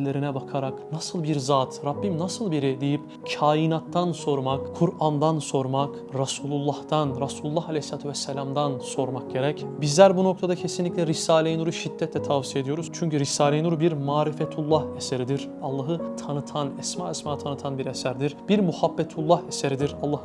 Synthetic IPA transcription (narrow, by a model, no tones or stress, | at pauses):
lʲe̞ɾinɛbakʰaɾaknasɯlˠbiɾzaːt̪ʰɾabːimnasɯlˠbiɾid̪ejip | cʰaːjinat̪ʰːanso̞ɾmakkʰuɾamd̪anso̞ɾmak | ɾasuːlˠulˠːaht̪anɾasuːlˠulˠːahalʲɛhslaːt̪ʰuvɛsːɛlʲamd̪anso̞ɾmak̚ɟe̞ɾɛcbizlʲæɾbuno̞kt̪ʰad̪acʰe̞sinlʲicʲlʲɛɾisaːlʲenuɾuʃid̪̥ːɛt̪ʰlɛt̪ʰavsije̞d̪ijoɾuzt͡ʃʰyɲcyɾisaːlʲenuɾubiɾmaːɾifɛt̪ʰulˠːaheseɾid̪iɾ̥ | alˠːaɦɯt̪ʰanɯt̪ʰanɛsmaːɛsmaːt̪ʰanɯt̪ʰanbiɾesæɾd̪iɾb̥iɾmuhabːet̪ʰulˠːaheseɾid̪iɾalˠːah